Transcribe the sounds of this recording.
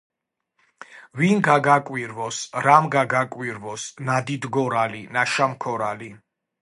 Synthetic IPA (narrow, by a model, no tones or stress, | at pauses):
vinɡaɡakʼwiɾvɔsɾamɡaɡakʼwiɾvɔsnad̪id̪ɡɔɾalinaʃamkʰɔɾali